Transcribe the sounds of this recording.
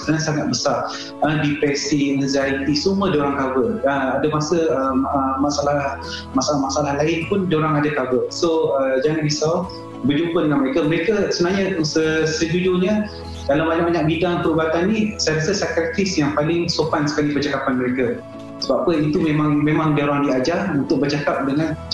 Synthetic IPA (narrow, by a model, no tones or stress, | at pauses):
ə̥kɾansaŋat̪̚bəsar | ədipɛrsinəzaɾit̪isumədoɾaŋkabərəadəmasəəəmasalah | masalamasaalahlaɪnpʊndoɾaŋadakabərsoəd͡ʒaŋanbisa | bərd͡ʒumpədəŋanməɾekaməɾekasənaɦɲasəsəd͡ʒud͡ʒuɲə | dalawbaɲaʔ̚baɲak̚bidaŋpəɾubat̪anːĩsajɾasəsakɾət̪isjaŋpalɪŋsofansə̥kalipərt͡ʃakapanməɾeka | səbap̚kəit̪umẽmãŋmẽmãŋdaoɾaŋdiad͡ʒaunt̪ʊk̚bərd͡ʒakap̚dəŋan